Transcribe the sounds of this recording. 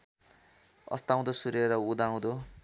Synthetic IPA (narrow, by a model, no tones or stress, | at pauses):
ʌ̰st̪aw̃d̪osuɾeɾʌud̪aw̃d̪o